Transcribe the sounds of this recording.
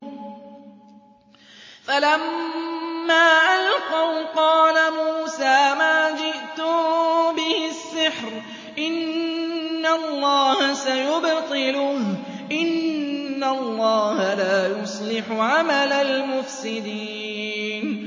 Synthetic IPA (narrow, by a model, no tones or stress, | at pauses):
falamː | aːʔalqɑwqɑːlamuːsaːmaːd͡ʒɪʔt̪ʊbɪhɪsːɪħɾ | ʔɪnː | alˤːɑːhasajʊbt̪ˤɨlʊh | ʔɪnːalˤːɑːhalaːjʊsˤlɪħʊʕamalalmʊfsɪd̪iː | n